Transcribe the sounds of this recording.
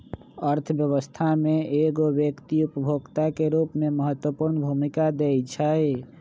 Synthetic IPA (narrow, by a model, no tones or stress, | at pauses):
əɾt̪ʰəbjəβəst̪ʰameeɡobjəkt̪iupəbʱoɡt̪akeɾupmeməɦət̪wəpuɾnəbʱumikad̪ejt͡ʃʰəj